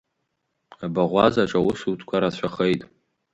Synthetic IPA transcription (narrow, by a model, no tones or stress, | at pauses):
abaʁʷazaʈ͡ʂʼawʊsutʰkʷʰaɾat͡ɕʷʰaχejtʼ